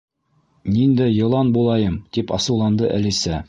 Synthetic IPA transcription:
nind̪æjɤ̆lˠɑnbulˠɑjɤmt̪ipɑ̰sɤ̆wlˠɑnd̪ɤʔæ̰lisæ

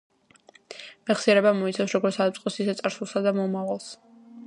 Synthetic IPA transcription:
mɛχsiɛɾɛbamɔit̪sʰafsɾɔɡɔɾt̪sʰad̪ap̚sʼqʼɔsisɛt̪sʼaɾsulˠsad̪amɔmavalˠs

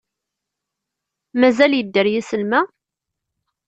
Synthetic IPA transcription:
mæzæljəd̪ːəɾjisəlmæ

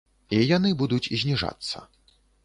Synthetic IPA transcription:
ijanɨbud̪ut͡sʲizʲnʲiʐa̰t̪sːɐ̰

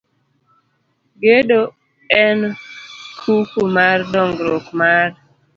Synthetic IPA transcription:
ɡedo | ɛn | kʰukumardɔŋɡɾɔkmar

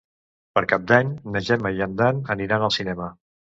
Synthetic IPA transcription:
pəɾkap̚d̪aɲnəʒɛməiənd̪anəniɾanəlˠsinɛmə

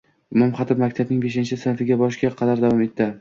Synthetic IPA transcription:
ʊmʊmχɑt̪ʰɪmakʲt̪ʰabnɪŋbe̞ʃ̬ɪnt͡ʃʰɪsanfɪɡʲabɒʃɡʲaqʰɑd̪aɾd̪avɒme̞t̪ʰːɪ

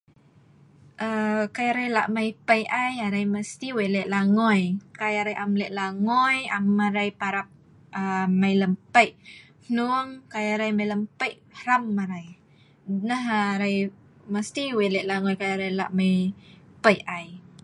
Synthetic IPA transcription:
ʔəkajaɾajla̰ʔmajpəjʔajaɾajməst̪iwelɛʔlaŋɔjkajaɾajʔamlɛʔlaŋɔjamːaɾajpaɾap̚ | amajləmpəjʔ | hnuŋkajaɾajmajləmpəjʔ | hɾamːaɾaj | nəɦaɾaj | məst̪iwelɛʔlaŋɔjkajaɾajla̰ʔməjpəjaj

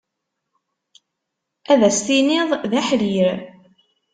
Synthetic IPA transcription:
æðæst̪inɪðˤðæħliɾ

